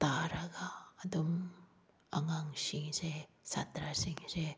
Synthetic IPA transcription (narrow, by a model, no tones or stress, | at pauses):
t̪aɾaɡaːd̪um | aŋaŋsiŋsesat̪ɾasiŋse